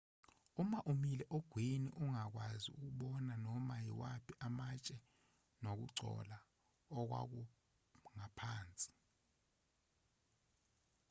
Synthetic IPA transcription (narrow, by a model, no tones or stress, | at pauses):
umaʔumilɛʔoɡ̥ʱwinḭʔuŋak̬wazḭṵk̬uɓɔnanɔmajḭwapʰiʔamat͡ʃʼɛ | nok̬ṵǀʱɔ̰la | ɔk̬wa̰k̬u | ŋapʰaːnt͡sʼi̥